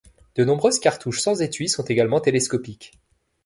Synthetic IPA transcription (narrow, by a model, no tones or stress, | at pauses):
d̪̥ənɔ̃bʁøzkaʁt̪uʃsɑ̃zet̪ɥisɔ̃t̪eɡalmɑ̃t̪eleskɔpik